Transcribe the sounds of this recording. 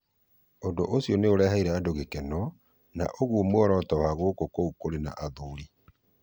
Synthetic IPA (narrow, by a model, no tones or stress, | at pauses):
ondoʔosiɔneoɾɛhaiɾɛadoɣekɛnɔ | na̰ʔoɣwomwɔɾɔtɔwaɣoːkokoukoɾena̰ʔaðoɾi